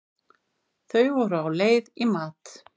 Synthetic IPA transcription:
θœɥvɔɾʏawleːjðimaːt̪

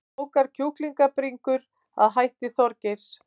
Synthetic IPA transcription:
owkaɾ̥cʰuhkliŋkapɾiŋkʏɾ | a̰ðɦajht̪ɪθɔɾcɪs

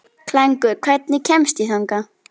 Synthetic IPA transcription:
kʰlɛŋkʏɾkʰvɛt̪nɪcʰɛmst̪iθaŋka

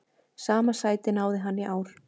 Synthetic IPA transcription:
saːmasaːjt̪ɪnaːwðɪɦanːɪʔaːwɾ̥

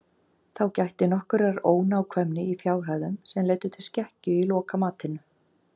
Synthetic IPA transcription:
θawcajht̪ɪnɔhkʏɾaɾoːwnːwkʰvɛmnɪifjaːwr̥ajðʏmsɛmleːjt̪ʏt̪ʰɪlscɛhcʏilɔːkamaːt̪ɪnʏ

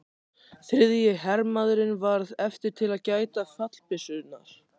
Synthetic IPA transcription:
θɾɪðjɪɦɛɾmaðɾɪnvaɾðɛft̪ɪɾ̥t̪ʰɪlaðcaːjt̪afat̪l̥pɪsʏnːa̰ɾ̥

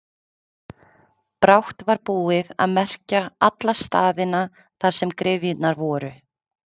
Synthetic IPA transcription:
pɾawht̪vaɾpuːɪða̰ðmɛr̥caat̪last̪aːðɪna | θaɾ̥sɛmkɾɪvjʏt̪naɾvɔːɾʏ

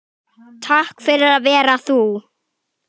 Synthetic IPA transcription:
t̪ʰahkfɪɾɪɾaðvɛːɾaθu

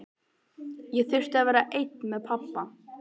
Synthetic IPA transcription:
jɛθʏr̥t̪aðvɛːɾaʔejt̪nmɛðpʰapːa

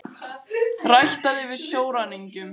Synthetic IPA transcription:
rajht̪aðɪvɪðsjoːwɾaniɲcʏm

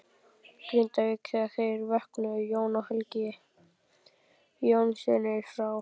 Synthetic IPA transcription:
kɾɪnt̪avɪkθɛɣaθejɾvɛhknʏjoːwnahœlcɪ | jownsɛnɪ̥fɾaːw

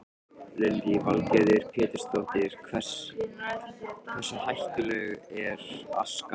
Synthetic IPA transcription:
lɛlɪvalcɛðɪɾ̥pʰɛːt̪ɪ̥st̪owht̪ɪɾ̥kʰvɛr̥s | kʰvɛsahajht̪ʏlœːɣɛɾ̥a̰ska

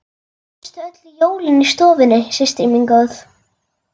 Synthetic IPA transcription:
st̪œt̪lɪjoːwlɪnist̪ɔːvɪnːɪsɪst̪imiŋkowθ

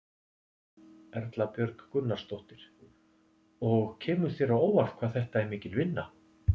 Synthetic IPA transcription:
ɛɾt̪lapjœɾkkʏnːaɾst̪owht̪ɪɾ̥ | ɔɣcʰɛːmʏɾ̥θjɛɾaoːwvar̥fkʰvaːðθɛht̪aɛɾmɪːcɪlvɪnːa

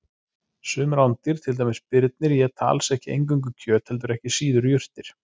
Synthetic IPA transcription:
sʏːmʏɾawnt̪ɪɾ̥t̪ʰɪlt̪ajmɪspɪɾt̪̚nɪɾjɛt̪ʰa̰ːlsɛhcɪḛjŋkʏŋk̬ʏcʰœːt̪hɛlt̪̬ʏɾɛhcɪsiːðʏɾjʏr̥t̪ɪɾ̥

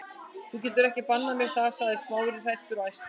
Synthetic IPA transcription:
θucɛːt̪̬ʏɾɛhcɪpanːamjɛɾ̥θasaðɪ̥smaːwʏɾɪθajht̪ʏɾajst̪

